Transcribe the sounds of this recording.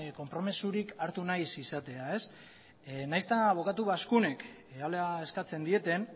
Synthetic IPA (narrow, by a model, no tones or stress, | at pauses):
ko̞mpɾo̞mesuɾikaɾt̪unajsisat̪e̞ae̞s | najst̪aβ̞o̞kat̪uβaskune̞k | aleae̞skat͡se̞nd̪ie̞t̪e̞n